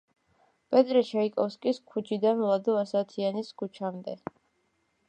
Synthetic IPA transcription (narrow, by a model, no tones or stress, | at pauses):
pʼɛt̪ʼɾɛʃaikʼɔfskʼiskʰut͡ʃʰid̪anlˠad̪ɔasat̪ʰianiskʰut͡ʃʰamd̪ɛ